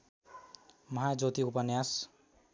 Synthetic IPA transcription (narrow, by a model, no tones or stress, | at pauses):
mʌɦad͡zot̪iupʌnjas